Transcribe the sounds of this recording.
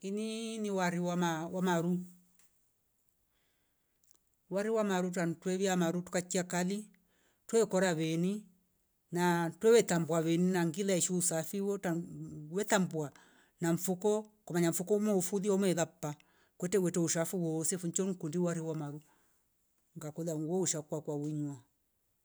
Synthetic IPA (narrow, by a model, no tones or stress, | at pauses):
ininiwaɾiwamawamaɾu | waɾiwamaɾut̬antwɛβiamaɾutu̥kat͡ʃːiakali | twɛɛkɔɾaβɛni | natwɛwɛtambwawɛninaŋɡilaɛʃuusafiwɔtawɛtambwa | naɱ̩fukɔkɔmaɲaɱ̩fukɔumɛufuðiaumɛðapːa | kwɛtɛwɛtɛuʃafuwɔsɛfuɲt͡ʃɔnkundiwaɾiwamaɾu | ŋɡakuðaŋɡwɔuʃakwakwawiɲwa